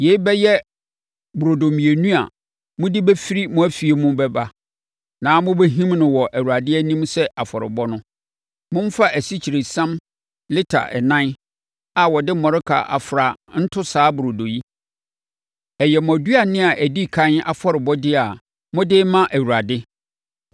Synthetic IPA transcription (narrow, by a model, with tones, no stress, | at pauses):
je˨i˦bɛ˦jɛ˦ | bʊ˨ɾo˨do˨mĩ˨e˨nũ˦a̰˨ | mʊ̃˦dɪ˦bæ˦fi˦ɾi˦mʊ̃˦æ˦fi˨e˨mũ˦bɛ˦ba˦ | nãː˨˦mʊ̃˦be˦ɦĩ˦mnʊ̃˨wɔ˨ʔæ˨wu˨a˨dɪ˦ɛ˦nĩ˦m˦sɛ˦a˨fɔ˨ɾɪ̰˨bɔ˦nʊ̃˦ | mʊ̃˦m˦fa˦æ˨si˦t͡ɕʰi˨ɾe˨sã˦m | lɪ˦tʰa̰˨ʔɛ̰˨nã˦n˦ | a˨wɔ˨dɪ˦mɔ̃˨ɾɪ˦kʰa̰˨ʔa̰˨fɾa˨n̩˦tʰʊ˦saː˨˦bʊ˨ɾo˨do˨ji˦ | ɛ˨jɛ˨m̃˨ɔ˨du˦a˨nɪ̃˦a˨ʔæ˨di˦kʰã˦na̰˨fɔ˨ɾɪ˨bɔ˦dɪ˦a˨ | mʊ̃˦dɪ˦mã˦ʔæ˨wu˨ɾa˨dɪ˦